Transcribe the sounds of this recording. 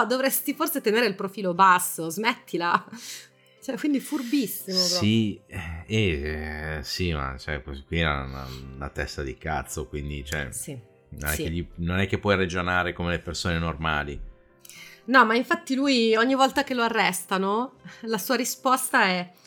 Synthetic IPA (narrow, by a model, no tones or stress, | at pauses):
d̪ovɾɛst̪iforset̪eneːɾeilpɾofiːlobasːozmɛt̪ʰːila | t͡ʃoɛkwind̪ifurbisːimopɾɔsiɛɛ | sima̰t͡ʃɛkozikːwiɛ̰na̰na̰t̪ɛ̰st̪ad̪ika̰t̪sːokwind̪it͡ʃoɛ̰si | no̰nɛkːeʎːinonɛkːepːwɔjred͡ʒonaːɾekomelepersoːnenormaːli | nɔmaiɱfat̪ːilujɔɲːivɔlt̪ak̟eloarːɛst̪anolasuːaɾispɔst̪aɛ